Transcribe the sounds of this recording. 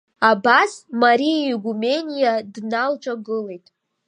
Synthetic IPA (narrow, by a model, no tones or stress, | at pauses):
abasmaɾijiɡʷume̞nʲijadnalt͡ʃʷʼaɡɨle̞jtʼ